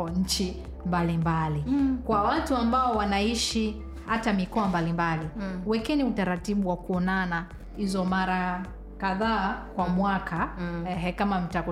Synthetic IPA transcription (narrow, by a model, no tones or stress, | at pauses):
ɔɲ̩t͡ʃi | mbalimbalikwawatuambaɔwanaiʃi | hatamikɔambalimbaliwɛkɛniutaɾatiɓuwakuɔnana | hizɔmaɾa | kaðaːkwamwakʰaɛkamam̩tak